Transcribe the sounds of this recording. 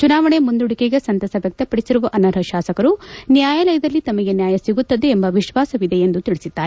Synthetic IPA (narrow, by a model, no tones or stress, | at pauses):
t͡ʃunaːʋɐɳe̞mund̪uɽikeɡesɐnt̪ɐsɐʋjɐk̚t̪ɐpɐɽisiɾuʋɐʔɐnɐɾɦɐʃaːsɐkɐɾunjaːjalɐjɐd̪ɐlːit̪ɐmɐɡe̞njaːjɐsiɡut̪ːɐd̪eːmbɐʋiʃʋaːsɐʋid̪e̞end̪ut̪iɭisid̪ːaːɾe